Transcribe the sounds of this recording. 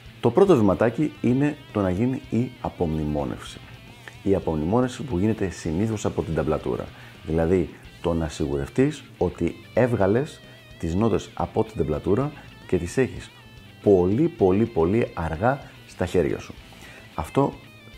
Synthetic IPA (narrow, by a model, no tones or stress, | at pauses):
t̪o̞pɾo̞t̪ovimɐt̪ɐciine̞t̪o̞nɐʝiniiɐpo̞mnimo̞̰nʔḛfsi̥ | iɐpo̞mnimo̞ne̞fsipuʝine̞t̪e̞siniθo̞sɐpo̞t̪ind̪ɐblɐt̪ṵɾɐ̰ | ðilɐði | t̪o̞nɐsiɣṵɾe̞ft̪is | o̞t̪i | e̞vɣɐle̞s | t̪izno̞t̪e̞sɐ̰po̞t̪ind̪ɐblɐt̪uɾɐ | ce̞t̪ise̞çis | po̞lipo̞lipo̞liɐɾɣɐ | st̪ɐçe̞ɾʝɐ̰su̥ | ɐft̪o̞